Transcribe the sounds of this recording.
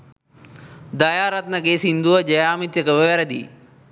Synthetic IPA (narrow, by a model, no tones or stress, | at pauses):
d̪ɐjaːɾɐt̪nɐɡeːsind̪uʋɐd͡ʒɐjaːmit̪jɐkɐʋɐʋɛɾɐd̪ḭ